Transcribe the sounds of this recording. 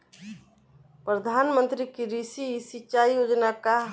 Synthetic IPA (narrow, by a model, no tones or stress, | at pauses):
pɾəd̪ʱanmənt̪ɾikiɾisiːsit͡ʃaijod͡ʒnaka